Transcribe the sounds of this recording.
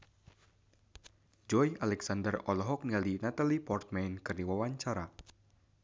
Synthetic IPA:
d͡ʒɔjalɛksandərɔlɔɦɔk̚nialinat̪alipɔrt̪̚mɛnkɨrniwawaɲt͡ʃaɾa

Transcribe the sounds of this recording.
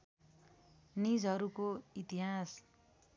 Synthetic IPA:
nid͡zɦʌɾukoit̪iɦas

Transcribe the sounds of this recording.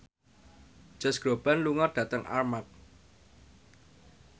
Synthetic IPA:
d͡ʒ̥a̤sɡ̥ɾo̤b̥anluŋarɖ̥ä̤t̪əŋʔa̰rmak̚

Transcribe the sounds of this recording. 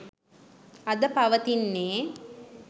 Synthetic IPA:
ɐd̪əpaʋət̪inːeː

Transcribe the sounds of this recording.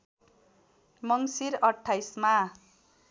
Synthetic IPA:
mʌŋsiɾʌʈʰːajsma

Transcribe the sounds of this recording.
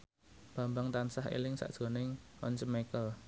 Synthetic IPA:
b̥ä̤mbaŋt̪ansaɦḛlɪŋsa̰ʔdʒ̥o̤nɪŋʔɔ̰nt͡ʃəmekəl

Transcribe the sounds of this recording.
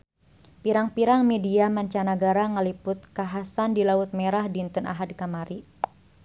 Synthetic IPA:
piɾaŋpiɾaŋmediamaɲt͡ʃanaɡaɾaŋəlipʊt̪̚kaɦasandilaʊt̪̚meɾahdint̪əna̰ɦadkamaɾi

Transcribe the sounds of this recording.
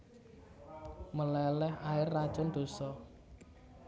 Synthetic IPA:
məlɛlɛhaɪrːad̥ʒ̥ɔnd̪̥o̤sɔ

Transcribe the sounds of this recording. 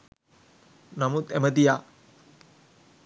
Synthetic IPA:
nɐmut̪emɐd̪ija

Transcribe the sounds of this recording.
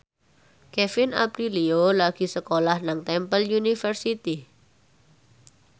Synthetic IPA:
kɛfɪna̰pɾiliolaɡ̥i̤səkolahnaŋt̪ɛmpəljunifərsit̪i

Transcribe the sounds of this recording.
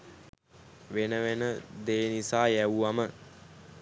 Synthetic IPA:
ʋenəʋenəd̪eːnisaːjæʋuʋamə

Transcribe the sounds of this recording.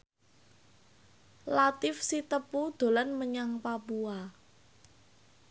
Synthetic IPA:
lat̪ɪfsit̪əpud̪̥o̤lanməɲaŋpapua

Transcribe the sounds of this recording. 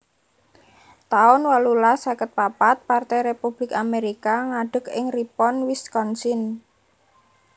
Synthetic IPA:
t̪aʊnwalulasakət̪̚papat̪̚part̪ɛjɾepub̥lɪkameɾikaŋaɖ̥ə̤kɪŋripɔnwɪskɔnsɪn

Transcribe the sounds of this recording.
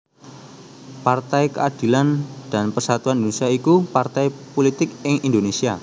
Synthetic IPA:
part̪ajkə̰ad̪̥i̤land̥a̤npərsat̪uannd̪oesiaikupart̪ajpolit̪ɪk̚ɪŋindonesia

